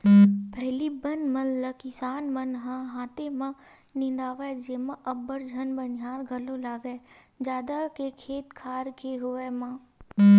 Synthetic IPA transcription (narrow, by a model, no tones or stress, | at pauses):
pʰɛɦlibənmɐnləkɪsaːnmɐnɦãɦãːt̪emã | nɪ̃nd̪aːʋad͡ʒeːmãʔɐbːəɾd͡ʒʱɐnbənaːɾɡʱɐlolaːɡəe | d͡ʒjaːd̪akekʰeːt̪kʰaːɾkeɦʊemãː